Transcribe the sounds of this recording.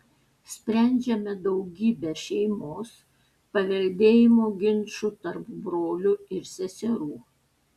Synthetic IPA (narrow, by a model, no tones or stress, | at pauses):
sʲpʲɾʲæˑnʲd͡ʒʲɛmʲɛd̪ɒʊɡʲiːbʲɛːʃʲɛɪmoːs | pɐʋʲɛlʲd̪ʲeːjɪmoːɡʲɪnˑʃʊt̪ɐɾpbɾoːlʲʊɪɾsʲɛsʲɛɾuː